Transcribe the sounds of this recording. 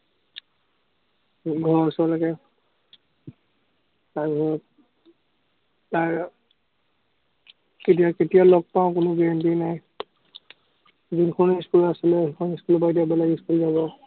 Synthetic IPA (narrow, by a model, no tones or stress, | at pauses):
ɡʱɔɹasɔlakɛ | taɹbɔɹɔt | taɹ | ket̬ijaketijalɔɡ̚paʊ̃kʊnʊɡiempinaj | zinkʰɔniskulasilɛkʰɔniskulɔbaidiabɛlaɡiskulzaβɔ